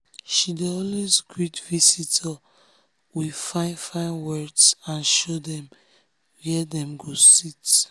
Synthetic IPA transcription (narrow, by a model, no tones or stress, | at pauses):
ʃideɔlwesɡɹitvisitʰa | wifãɪ̃nfãɪnwɛdsãnʃodɛ̃m | wiɛdɛ̃mɡosit